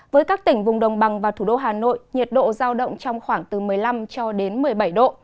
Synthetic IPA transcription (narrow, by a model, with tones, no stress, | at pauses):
vəː˨˦jkaː˦˥k̚t̪ï˧˩ŋ̟vʊ˨˩ŋ͡mɗə˨˩wŋ͡mɓa˨˩ŋvaː˨˩t̪ʰu˧˩ɗo˧ɦaː˨˩no̰˧˨jɲi˨˩t̚ɗo̰˧˨zaː˧wɗə̰˧˨wŋ͡mt͡ɕɔ˧wŋ͡mxwaː˧˩ŋt̪ɨ˨˩mɨ˨˩əjla˧mt͡ɕɔ˧ɗe˨˦nmɨ˨˩əjɓa˧˩jɗo̰˧˨